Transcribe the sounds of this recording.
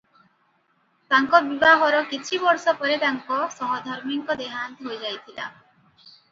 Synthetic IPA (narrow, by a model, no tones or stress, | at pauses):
t̪aŋkɔbibaɦɔɾɔkit͡ʃʰibɔɾsɔpɔɾet̪aŋkɔsɔɦɔd̪ʱɔɾmiŋkɔd̪eɦant̪iɦojd͡ʒajt̪ʰila̰